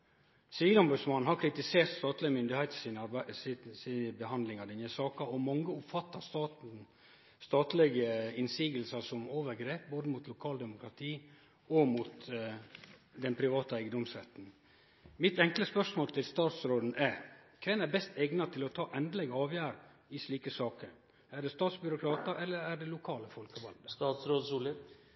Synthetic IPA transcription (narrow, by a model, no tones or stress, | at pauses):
sɪʋiːlɔmbʉd̪smɑnn̩ɦhɑɾkʰɾɪt̪ɪseːɾt̪st̪ɑːt̪lɪɡəmʏnd̪ɪhɛɪt̪snɑsiəbəhɑnd̪lɪŋɑd̪ɛnəsɑːkɑɔmɑŋːəʊpfɑt̪ːɑst̪ɑːt̪n̩ | st̪ɑːt̪lɛɡəɪnsiːɡəlsɑsɔmoːʋəɾɡɾeːp̚boːd̪əmuːt̪ʰlʊkʰɑːld̪ɛmʊkɾɑt̪ʰiː | ɔmut̪ | d̪ɛnpʰɾɪʋɑːt̪əæɪɡəd̪ɔmsɾɛt̪ːn̩ | mɪt̪ɛŋkləspœʂmoːlt̪ʰɪlst̪ɑːt̪sɾoːd̪n̩ækʰʋɛnæɾbɛst̪ʰɛɡnɑt̪ʰɪlɔt̪ʰɑːʔɛnd̪əlɛɡəɑːʋjæːɾ | ɪʂɭiːkəsɑːkəɾ | æɖɛst̪ɑːt̪sbʏɾʊkʰɾɑːt̪əɾʔɛlːəɾæɖɛlʊkʰɑːləfɔlkəʋɑld̪əst̪ɑːt̪sɾoːsulə